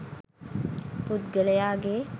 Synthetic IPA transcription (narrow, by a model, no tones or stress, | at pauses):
put̪ɡəlejaːɡe